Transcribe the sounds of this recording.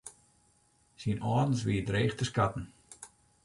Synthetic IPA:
sinʔɑːdn̩sʋidreːχtəskatn̩

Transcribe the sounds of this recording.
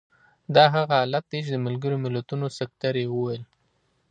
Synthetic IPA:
d̪ɑɦaɣaɑlat̪̚ːeʃ̬d̪əmalɡəɾomɪlat̪unosakt̪aɾewəwel

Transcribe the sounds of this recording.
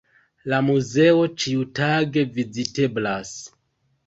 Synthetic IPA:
lamuze̞o̞t͡ʃiutaɡe̞vizite̞blas

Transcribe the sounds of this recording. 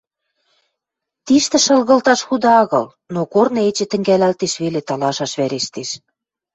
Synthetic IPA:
t̪iʃt̪ɘ̆ʃɤ̆lɣɤ̆lt̪ɑʃxud̪ɑɑɣɤ̆l | nokornɤ̆et͡ɕĕt̪ə̆ŋɡælælt̪eʃβelet̪ɑlɑʃɑʃβæɾeʃt̪eʃ

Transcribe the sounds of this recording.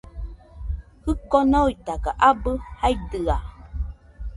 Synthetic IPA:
hɨkɔnɔitakaʔabəhaidɨa

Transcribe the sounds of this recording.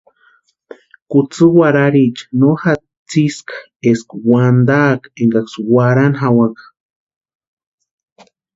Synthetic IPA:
kut͡sɨwaɾaɾit͡ʃḁnoxa | t͡siskḁ | eskwand̪akeŋɡakswaɾanɦawakḁ

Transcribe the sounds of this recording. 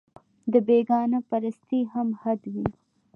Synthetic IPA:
d̪əbeɡɑnapaɾast̪iɦamhad̪wi

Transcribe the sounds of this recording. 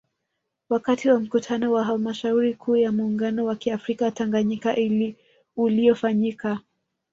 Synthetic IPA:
wakatiwam̩kutʰanɔwaɦalmaʃauɾikʰuːjamuːŋɡanɔwakiafɾikataŋɡaɲikaʔili | ulijɔfaɲika

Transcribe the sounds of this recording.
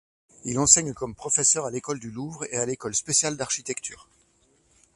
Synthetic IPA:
ilɑ̃sɛɲkɔmpχɔfɛsœʁalekɔld̪yluvʁealekɔlspesjald̪aʁʃit̪ɛkt̪ʰyːʁ

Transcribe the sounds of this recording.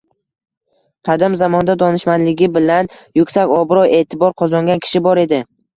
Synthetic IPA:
qʰɑd̪ɪmzamɒnd̪ad̪ɒnɪʃmanlɪɡʲɪbɪlanjʊkʲsakʲɒbɪɾɒwe̞ːt̪ʰɪbɒɾqʰɒzɒŋɡʲankʲʰɪ̥ʃɪbɒɾe̞d̪ɪ

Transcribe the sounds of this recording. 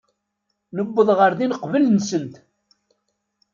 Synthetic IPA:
nəbːəðˤʁəɾðinəqvəlnsənt̪

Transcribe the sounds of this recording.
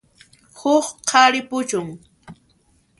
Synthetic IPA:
hʊχqʰɑɾɪpʊt͡ʃʊŋ

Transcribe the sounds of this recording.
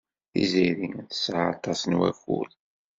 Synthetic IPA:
θḭziɾiŋθə̥sʕɑt̪ˤːɑsənwæ̰fṵl

